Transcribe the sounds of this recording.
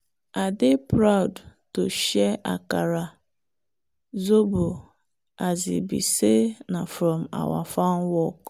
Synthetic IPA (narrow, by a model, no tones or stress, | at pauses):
adɪpɾaʊdtoʃɛʔa̰kaɾa | zobʊ | azɪ̰bḭsenafɾɔm̩a̰wa̰fanwɔk